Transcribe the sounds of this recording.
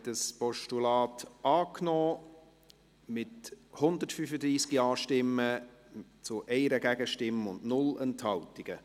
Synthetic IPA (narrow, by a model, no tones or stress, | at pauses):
təspɔʃtulɑːtʔɑːknɔː | mɪthʊnd̪ətfyfədɾiːskiɑːʃtɪmːə | t͡sʊʔɛɪɾəɡæɡ̥əʃtɪmʊndnʊlɛnthɑltɪɡ̥ə